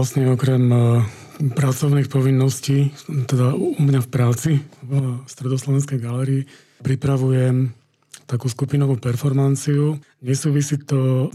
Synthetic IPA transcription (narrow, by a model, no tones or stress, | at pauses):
asɲɛɔkɾɛm | pɾat͡sɔʊniːxpɔʋinːɔsciːt̪ɛd̪aumɲafpɾaːt͡si | st̪ɾɛd̪ɔslɔʋɛnskɛjɡalɛɾiː | pɾipɾaʋujɛm | t̪akuːskupinɔʋuːpɛɾfɔɾmant͡siu | ɲɛsuːʋisiːt̪ɔ